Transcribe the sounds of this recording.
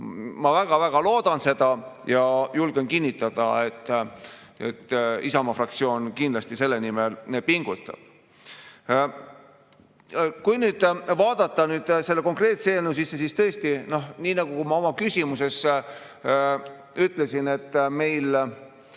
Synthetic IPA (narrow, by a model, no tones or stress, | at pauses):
mɑvæɡ̥ɑvæɡ̥ɑlo̞ːd̪̥ɑnse̞d̪̥ɑjɑjulɡ̥enkinʲːit̪ːˑɑd̪̥ɑ̰et̪ː | ḛt̪ːisɑmɑfrɑkt̪sio̞ːnkind̪lɑst̪ise̞lːe̞nimelpiŋɡ̥ut̪ːˑɑ̰b̥ | kujnyːd̪̥vɑːd̪̥ɑt̪ːˑɑnyːd̪̥se̞lːeko̞ŋkre̞ːt̪seːlnusisːes̬ist̪ɤest̪ino̞hniːnɑɡ̥ukumɑo̞mɑkysʲimuse̞s | yt̪ˑle̞sine̞t̪ːˑme̞jl